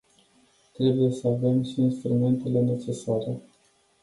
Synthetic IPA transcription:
t̪ɾe̞buje̞səave̞mʃiːnst̪ɾume̞nt̪e̞le̞ne̞t͡ʃe̞saɾe̞

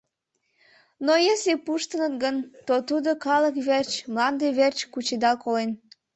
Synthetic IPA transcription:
nojeslepuʃt̪ənət̪ɡənt̪ot̪ud̪okɑləkβert͡ɕmlɑnd̪eβert͡ɕkut͡ɕed̪ɑlkolen

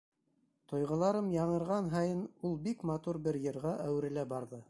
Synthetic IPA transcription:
t̪ŏjʁɤ̆lˠɑɾɤmjɑɴɤ̆ɾʁɑnɦɑjɤnulˠbikmɑt̪uɾbɘɾjɤ̆ɾʁɑʔæwɾɘ̆læbɑɾðɤ

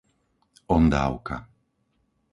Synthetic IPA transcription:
ɔnd̪a̰ːwka̰

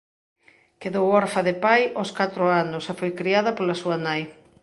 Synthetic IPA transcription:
keðowɔɾfɐðepajoskat̪ɾʊanʊsefojkɾiaðɐpolɐsuɐnaj

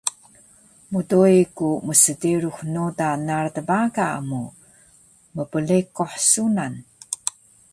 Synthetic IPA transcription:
mudoikuməsədiɾuxnudanartəbaɡaə̰mu | məpəlikoħsunan

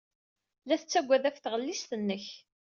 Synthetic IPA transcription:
læθət͡sːæɡʷːæðæfθʁəlːisθənːəç

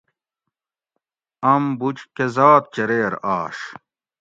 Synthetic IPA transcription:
ɐmbut͡ɕkezaːt̪̚t͡ɕeɾeːɾaːʂ

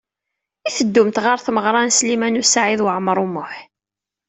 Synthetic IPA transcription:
iθəd̪ːʊmt̪ʁəɾθməʁɾˤɑnslimænusaʕiðwəʕəmɾˤumʊħ

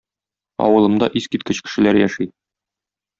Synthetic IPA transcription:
ɒ̰wɤ̆lˠɤ̆md̪ɑʔiskit̪̚kɘɕkɘ̥̆ʃɘ̆læɾjæʃi

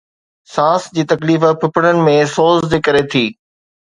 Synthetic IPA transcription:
sãːsd͡ʑiːt̪ɐkliːfəpʰɪpəɽ̃ənɪ̆mẽsoːzd̪eːkɐɾet̪ʰiː

